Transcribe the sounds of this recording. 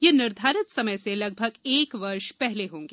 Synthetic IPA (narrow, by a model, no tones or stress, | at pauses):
jenɪɾd̪ʱaːɾət̪sɐməjselɐɡ̚bʱəɡeːkʋɐɾʃpɛɦleɦõːŋɡeː